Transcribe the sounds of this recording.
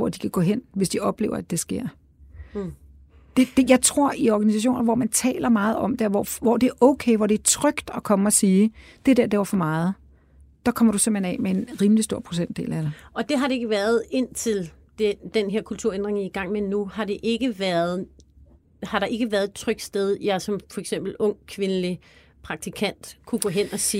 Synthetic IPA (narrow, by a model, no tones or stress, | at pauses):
ʋɒ̰d̥ikʰæɡ̥ɔ̰ɦen̰ʋe̝sd̥iɒ̽b̥le̝ːʊɐæd̥e̝sɡ̥e̝ɐ̰ | d̥e̝d̥ejɑ̈ɪt͡sʰʁo̝ɐ̰iɒɡ̥ænisæɕ̬o̝̰ːnɐʋɒmænt͡sʰɛ̰ːlɐmɑ̈ːð̞̩ˠɒ̽md̥e̝ɒʋɒʋɒd̥e̝æɐʔɔ̽ʊkʰeɪʋɒ̰ːd̥e̝æɐt͡sʰʁœɡ̥d̥ɒ̽kʰɒ̽məɒ̽siː | d̥e̝d̥eɐ̰d̥e̝ʋɑfɒ̽mɑ̈ːð̞̩ˠ | d̥ɑ̈kʰɒ̽mɐɾ̥usem̥ḛnɛ̰mee̝nʁiːmlisd̥o̝ɐ̰pʰʁo̝sen̰d̥e̝̰ːlæd̥eɒ̽d̥e̝ɦɑ̈ɾ̥e̝e̝ɡ̥əʋæːɐð̩ˠe̝n̰t͡sʰe̝l | d̥ed̥enɦeɐ̰kʰult͡sʰuɐend̥ʁeŋiɡ̥ɑ̈ŋ̰menːuhɑ̈d̥e̝ʔe̝ɡ̥əʋæɐð̩ˠ | hɑ̈ɾɑ̈ʔe̝ɡ̥əʋæːɐðˠedt͡sʰʁœɡ̥sd̥eð̞ˠjɑ̈ɪsɒ̽mfɒ̽eɡ̥sem̰b̥l̩ɔ̽ŋ̰kʰʋe̝nəli | pʰʁɑ̈ɡ̥̚t͡sʰikʰæn̰d̥kʰuɡ̥ɔ̰ɦen̰ɒsiː